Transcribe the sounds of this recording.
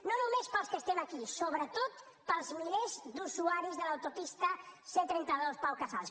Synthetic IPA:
nonumespəlˠskəst̪ɛməkisoβɾət̪ot̪ | pəlˠzmiʎezd̪uzuaɾizðələwt̪upist̪əset̪ɾɛnt̪əðospawkəza̰lˠs

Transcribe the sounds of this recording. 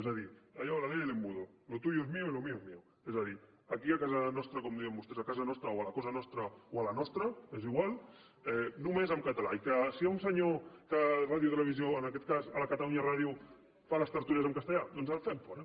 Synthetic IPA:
ezaðiaʎɔlalejelembuðolot̪ujoezmioilomioezmiu | ezaði | akiakazanɔst̪ɾakɔmd̪iambust̪ezakazanɔst̪ɾaoalakɔzanɔst̪ɾaoalanɔst̪ɾɐeziɣwal | ɛnumezəmkat̪alaikəsiaunsəɲokəraðjut̪əeləβizjoənakɛt̪̚kazalakat̪aluɲaraðju | faləst̪əɾt̪uliɐzəmkast̪əʎad̪ɔnzalfɛɱfɔɾa

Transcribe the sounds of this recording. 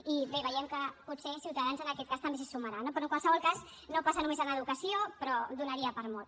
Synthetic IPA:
iβeβəjɛmkəput̪sesiwt̪aðanzənakɛt̪̚kast̪aɐmbesəsumaɾanopɾɔə̃ŋkwalsəβɔlˠkaz | nopasanumezaləðukəsiopɾɔd̪unaɾiəpəɾmɔ

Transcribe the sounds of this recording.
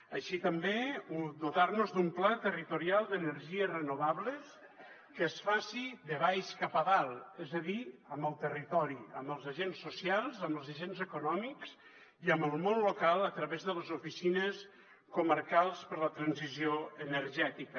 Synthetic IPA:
əʃit̪əmbeud̪ut̪aɾnuzd̪umplat̪ərit̪uɾialˠd̪ənəɾʒiərənuβaβləs | kəsfasiðəβ̞ajskapəðalˠɛzəðiəmbəlˠt̪ərit̪ɔɾiə̰mbəlˠzəʒensːusialˠzəmbəlˠzəʒenzəkunɔmikz̥ | iəmbəlˠmonlokalˠət̪ɾəβezðələzufisinəs | kuməɾkalˠspəɾlət̪ɾənzizioənəɾʒɛt̪ikə

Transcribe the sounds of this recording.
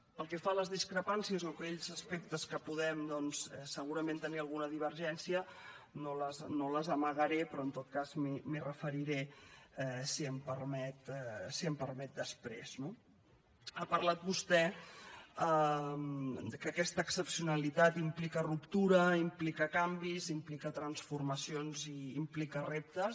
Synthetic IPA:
pəlˠkɛfaləzðiskɾəpansiəzokɛʎzəspek̚t̪əskəpuðɛmd̪ɔnsɛsəɣuɾəmẽnt̪əniəlˠɣunəðiβ̞əɾʒɛnsiə | noləznoləzəməɣəɾepɾɔənt̪ot̪̚kazmimirəfəɾiɾeɛsiəmpərmɛt̪siəmpəɾmɛt̪̚d̪əspɾḛzno | apərlat̪̚bust̪ɛ | əmd̪əkəkɛst̪əːksəpsiunəlit̪at̪implikərupt̪uɾəimplikəkambizimplikət̪ɾənsfuɾməsionziːmplikərep̚t̪əs

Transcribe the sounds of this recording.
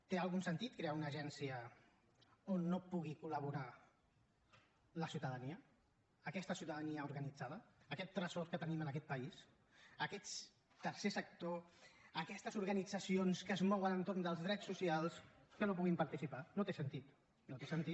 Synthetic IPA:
t̪eəlˠɣunsənt̪it̪kɾeaunəːʒɛnsiə | onːopuɣ̞ikuləβ̞uɾa | ləsiwt̪əðəniəː | kɛst̪əsiwt̪əðəniəuɾɣənid͡zaðəəkɛt̪ːɾəzorkət̪ənimənəkɛt̪̚pəis | əkɛt̪ | t̪əɾsesək̚t̪oəkɛst̪əzuɾɣənid͡zəsionskəzmɔwənənt̪oɾnd̪əlˠzðɾɛsːusialˠskənopuɣimpəɾt̪isipanot̪esənt̪it̪ | not̪esənt̪it̪

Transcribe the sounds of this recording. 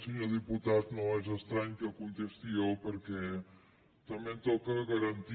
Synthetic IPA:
səɲoðiput̪at̪noezəst̪ɾaɲkəkunt̪est̪iopəɾkɛ | t̪əmbet̪ɔkəɣəɾənt̪

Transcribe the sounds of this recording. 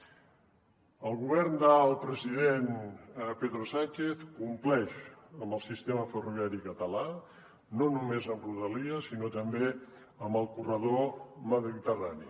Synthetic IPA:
əlˠɣuβɛɾnd̪əlˠpɾəziðenpeðɾosant͡ʃeθkumplɛʃəmbəlˠsist̪eməfəruβjaɾikət̪əla | nonumezəmbruðəliəsinot̪əmbe | əmbəlˠkurəð̞oməðiit̪ərani

